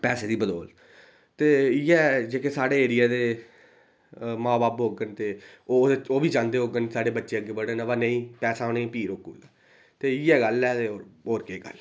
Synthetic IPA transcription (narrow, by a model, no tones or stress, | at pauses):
pɛːseːd̪iːbəd̪oːl | t̪eːiːɛːd͡ʒeːkeːsaːɽeːeːɾɪjaːd̪eː | mãːbaːpɦoːɡənt̪eːoːoːʋiːd͡ʒãːnd̪eːɦoːɡənsaːɖeːbətːʃeːəɡːeːbəɽeːnãːʋaːnẽĩːpɛːsaːoːnẽːpiːɾoːkṵːd̪aː | t̪eːiːɛːɡəlɛːt̪eːoːoːɾkeːɡə̰l